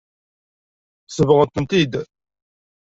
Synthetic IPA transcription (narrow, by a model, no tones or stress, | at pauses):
səvəʁət̪ənt̪id̪